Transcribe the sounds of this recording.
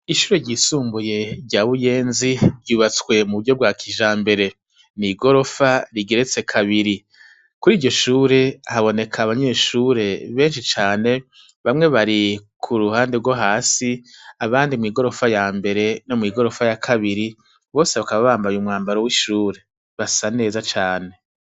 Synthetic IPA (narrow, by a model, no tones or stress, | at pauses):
iʃuːɾe̞ɟiːsuːmbuje̞ɾɟaːβuje̞ːnziɾɟuːβat͡skwe̞muβudɟo̞b̚ɡaːkʰiʒaːmbe̞ɾe̞ | niɡo̞ɾo̞faɾiɡe̞ɾet͡se̞kʰaβiɾi | kuɾiːɟo̞ʃuːɾe̞haβo̞ne̞kʰaβaɲe̞ːʃuːɾe̞βe̞ːnʃit͡ʃaːne̞ | βamŋe̞βaɾikʰuɾuhaːndeɾɡwo̞ɦaːsiaβaːndimŋiːɡo̞ɾo̞fajaːmbe̞ɾe̞no̞mŋiːɡo̞ɾo̞fajakʰaβiɾi | βo̞ːse̞βakaβaβaːmbajumŋaːmbaɾowiʃuːɾe̞ | βasane̞ːzat͡ʃaːne̞